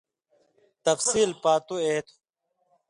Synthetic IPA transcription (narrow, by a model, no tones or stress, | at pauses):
t̪ɐfsiːlpaːt̪ueːt̪ʰu̥